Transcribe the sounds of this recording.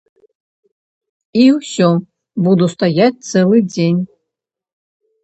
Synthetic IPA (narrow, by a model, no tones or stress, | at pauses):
iwsʲɔ | bud̪ust̪ɐjat̚ʲt̪sɛlˠɨd͡zʲenʲ